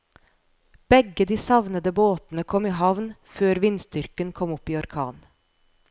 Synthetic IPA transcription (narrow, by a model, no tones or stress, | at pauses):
b̥ɛɡəd̪iːsɑʋnəd̪əboːt̪n̩əkʰɔmiːɦɑʋnføːɾʋɪnst̪ʏɾkənkʰɔmɔpiːɔɾkʰɑːn